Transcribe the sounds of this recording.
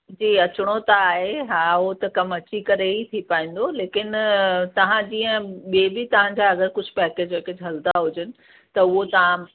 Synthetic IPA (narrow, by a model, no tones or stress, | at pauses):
d͡ʑiːɐt͡ɕʊɽ̃ot̪aːɦeɦaːʊɦot̪ɐkɐmɐt͡ɕikɐɾeɦit̪ʰipaːĩːn̆d̪oleːkɪnt̪ɐʋ̤ãd͡ʑiːə̃ɓiebɪt̪ɐʋ̤ãɲd͡ʑaɐɡəɾkʊd͡ʑʱpɛːkeːd͡ʑeːked͡ʑɦɐld̪aɦʊd͡ʑənɪ̆ | t̪ɐʊɦot̪ɐʋ̤ã